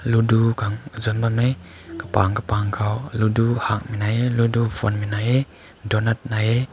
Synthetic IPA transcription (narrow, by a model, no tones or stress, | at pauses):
ludukaŋzɔnbanmej | kəpa̰ŋkəpaŋkʰawluduhak̚minajeludufʰɔnminaje | dɔnat̪̚naje